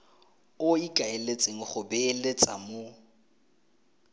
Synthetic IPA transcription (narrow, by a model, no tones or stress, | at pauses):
ʊikʼaelet͡sʼeŋ̩χʊbɛːlet͡sʼa̰mo